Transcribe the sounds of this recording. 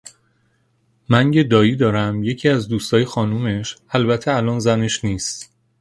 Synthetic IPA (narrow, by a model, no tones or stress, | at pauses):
mænɟed̪ɒːjiːd̪ɒːɾæmje̞cʰiːæzd̪uːst̪ɒːjexɒːnuːme̞ʃælbæt̪ʰːeælɒːnzæne̞ʃniːst̪